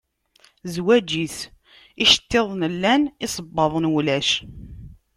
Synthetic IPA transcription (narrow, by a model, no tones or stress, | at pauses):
zwæd͡ʒiθ | iʃə̥t̪ːeðˤnəlːænisˤəbːɑðˤənwlæʃ